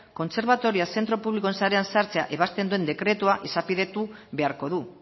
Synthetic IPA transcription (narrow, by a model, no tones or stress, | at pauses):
ko̞nse̞ɾβat̪o̞ɾiase̞nt̪ɾo̞puβlikoensaɾe̞ansaɾt͡se̞a̰ʔe̞βast̪e̞nd̪ue̞nd̪e̞kɾe̞t̪uaʔe̞sapiðe̞t̪uβe̞aɾko̞ðu